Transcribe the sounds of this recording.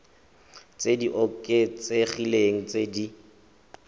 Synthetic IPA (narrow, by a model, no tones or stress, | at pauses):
t͡sʼediʔɔkʼet͡seχileŋ̩t͡sʼedi